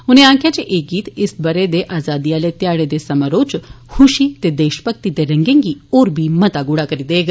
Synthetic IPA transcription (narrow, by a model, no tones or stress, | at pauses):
ɦunẽãŋkʰjat͡ɕeʔeɡiːt̪isbəɾed̪eʔazad̪ijalet̪jaɽed̪esəməɾot͡ɕ | huɕiːt̪ed̪eɕpək̚t̪it̪eɾə̃ŋɡẽŋɡiːoɾbʱiːmət̪aɡuɽakəɾid̪eɡ